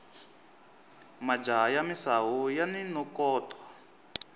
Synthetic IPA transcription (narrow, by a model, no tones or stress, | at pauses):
mad͡ʒajamisaɦujaninɔkɔːtʰwa